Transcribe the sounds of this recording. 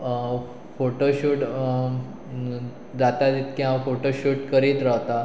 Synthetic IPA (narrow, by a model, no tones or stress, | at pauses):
foʈoɕuːʈ | d͡zat̪at̪it̪kiɦãwfoʈoɕuːʈkəɾiːt̪ɾəɦt̪a